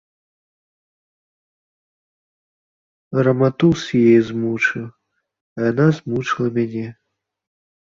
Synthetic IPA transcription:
rɐmat̪usʲjejzmut͡ʂɨw | ɐjanazmut͡ʂlˠɐmʲanʲɛ

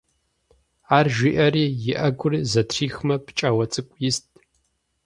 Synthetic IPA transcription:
aːrʒʷiːʔɐɾiːjɪʔɐɡʷʊrizɐtʰriːxmɐpt͡ʃʼaːwɐt͡sʼɨkʷʼjɪstʰʼ

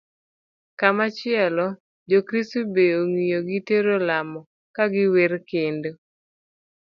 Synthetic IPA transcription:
kamat͡ʃɪɛlɔ | d͡ʒokɾistubeoŋijoɡɪteɾolamɔ | kaɡɪweɾkendo

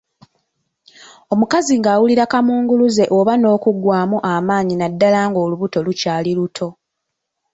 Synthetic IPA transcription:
o̞mukaziŋɡaːwuliɾakamuːŋɡuluze̞ʔoβano̞ːkuɡwaːmuʔamaːɲinadːalaːŋɡo̞ːluβuto̞lucaːlilutʰo̞

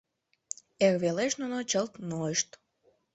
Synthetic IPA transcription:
erβeleʃnunot͡ɕəlt̪noeʃt̪

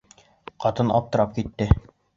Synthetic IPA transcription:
qɑt̪ɤnɑ̰p̚t̪ɤ̆ɾɑp̚kit̪ːɘ

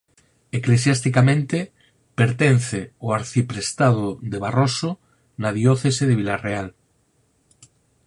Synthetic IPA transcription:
eklesjast̪ikamẽnt̪e | peɾt̪en̟θeoaɾθipɾest̪aðoðeβ̞aroso | naðjoθeseðeβilareal

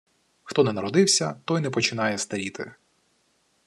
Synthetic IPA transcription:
xt̪ɔnɛnɐɾɔd̪ɪwsʲɐt̪ɔjnɛpɔt͡ʃɪnɑjɛst̪ɐɾʲit̪ɪ̰

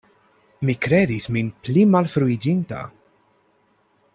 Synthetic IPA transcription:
mikɾɛːd̪isminplimɐlfɾuid͡ʒint̪ɐ̰

